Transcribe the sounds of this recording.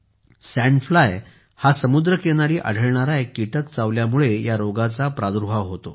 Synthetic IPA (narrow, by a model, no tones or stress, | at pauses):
sɛ̃ɳflaj | hasəmud̪ɾəkeɽ̃aɾiːʔa̰ɽ̤ʱəɭɳaɾajkiʈəkt͡saʋljamuɭejaɾoɡat͡sapɾad̪uɾbʱaʋɦot̪o